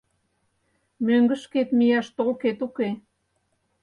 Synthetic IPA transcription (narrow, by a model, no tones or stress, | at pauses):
møŋɡə̆ʃket̪mijɑʃt̪olket̪uke